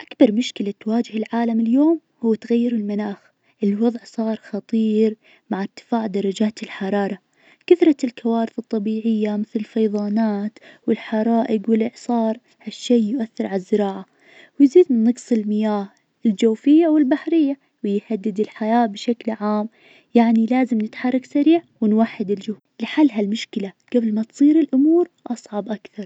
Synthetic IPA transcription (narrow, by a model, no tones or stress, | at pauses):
ʔakbɑɾˤmʊʃkɪlat̪waːd͡ʒɪhɪlʕaːlamɪljoːm | huwːt̪ɣajːɪɾɪlmanaːx | ʔɪlwɑðˤʕsˤɑːɾˤxɑt̪ˤiːɾ | maʕɪɾt̪ɪ̥faːʕd̪ɑɾˤɑd͡ʒaːt̪ɪlħɑɾˤɑːɾˤɑ | kaθɾˤɑlkawaːɾɪθɨt̪ˤːɑbiːʕɪjːamɪθlɪlfɑjðˤɑːnaːt̪wɪlħɑɾˤɑːʔɪɡwɪlʔɪʕsˤɑːɾˤ | haʃːeːjʊʔaθːɪɾˤʕalazːɪɾɑːʕa | wɪjziːd̪mɪnːɑqsˤɪlmɪjaːh | ʔɪld͡ʒawfɪjːawɪlbaħɾɪjːa | wɪjhad̪ːɪd̪ɪlħajaːbɪʃaklʕaːm | jaʕnilaːzɪmnɪt̪ħɑrˤːɑksaɾiːʕwɪnwaħːɪd̪ɪld͡ʒʊhulɪħalːɦalmʊʃkɪlaɡ̥ablmat̪sˤiːɾɪlʔʊmuːɾʔɑsˤʕɑbʔakθɑɾˤ